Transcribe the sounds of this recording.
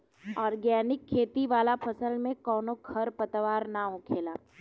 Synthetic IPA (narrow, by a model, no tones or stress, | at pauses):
ɔːɾɡjɛːnɪkʰːeːt̪iʋaːlapʰɐsəlmẽkɔːnokʰɐɾpət̪ʋaːɾnaʊ̃kʰeːlaː